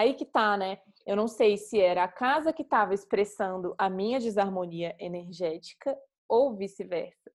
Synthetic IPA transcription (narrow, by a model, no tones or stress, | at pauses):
aikɪt̪anɛ | ewnɐ̃w̃sejsɪɛɾɐːkazɐkɪt̪avɐɪspɾesɐ̃nd̪ʊʔɐmĩɲɐd͡ʒɪzaɾmõniɐʔeneɾʒɛt͡ʃi̥kɐ | owvisɪvɛ̰ɾsɐ̥